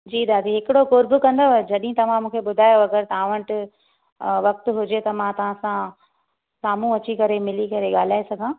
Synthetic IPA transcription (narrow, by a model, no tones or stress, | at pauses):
d͡ʑiːd̪aːd̪iɦɪkɪɽokoːɾbʊkɐ̃nd̪od͡ʑɐɗɪɦɪ̃t̪ɐʋ̤ãmũːkʰeɓʊd̪ʱaːjoɐɡəɾt̪ɐãːʋəɳʈ | ʋɐk̚t̪ʊɦʊd͡ʑet̪ɐmãt̪ɐʋ̤ãsã | saːmũɐt͡ɕikɐɾemɪlikɐɾeɠaːl̤aːesɐɡʱãː